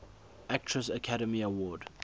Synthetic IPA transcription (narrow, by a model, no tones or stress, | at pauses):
ʔak̚tʰɹəsəkʰaɾəmiəwɔːd